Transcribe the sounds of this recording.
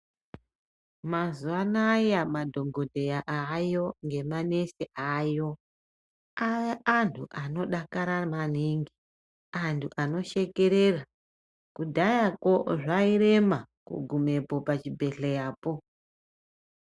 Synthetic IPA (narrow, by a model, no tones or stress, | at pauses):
mazuanajamadʱo̞ŋɡo̞dʱe̞jaʔajo̞ŋɡe̞mane̞seʔajo̞ | aʋeantʰuʔano̞ɗakaɾamaniŋɡi | antʰuʔano̞ʃe̞ke̞ɾera | kudʱajako̞ʐaiɾe̞makṵɡʱume̞po̞pat͡ʃibʱe̞ɬejaːpo̞